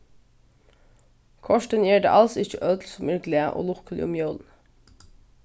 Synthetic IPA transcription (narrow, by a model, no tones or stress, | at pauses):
kʰɔʃʈənjæːɖḛːʔɑlsɪçəʔøːd̪l̩sɔmʏːɡlɪəʔo̰ːlʊkəlɪ̰ʊmjøːln